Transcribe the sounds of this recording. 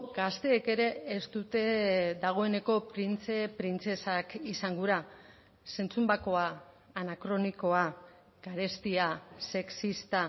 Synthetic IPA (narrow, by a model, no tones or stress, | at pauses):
ɡ̥ast̪e̞ːke̞ɾe̞ːst̪ut̪e̞ðaɣ̞o̞e̞ne̞ko̞pɾint͡se̞pɾint͡se̞sakisaŋɡuɾa | se̞nt͡sumbako̞aː | nakɾo̞niko̞a | ɡ̥aɾe̞st̪iase̞ksist̪a